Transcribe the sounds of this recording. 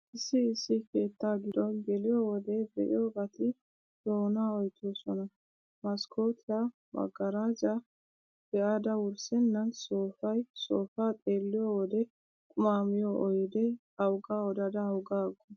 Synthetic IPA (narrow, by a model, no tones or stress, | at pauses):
ʔɪsːɪɪsːɪkeːt̪ːaːɡɪd̪ɔɡɛlɪjoːwɔd̪ɛbɛ̰ʔɪ̰joːbɐt̪ɪ | d̪̥o̞ːnaːɔjt̪ʰːoːsɔnɐ | mɐskʰo̞ːt̪ʰɪja | mɐ̰ɡɐɾaːd͡ʒɐ | b̥ɛʔaːd̪ɐwʊɾsɛnːɐnsoːfɐjsoːfaːt̪ʼe̞ːlːɪjowɔd̪ɛ | kʼʊmaːmɪjɔʔɔjd̪ɛ | ɐwɡaːwɔd̪ɐd̪ɐɐwɡaːɡːɔ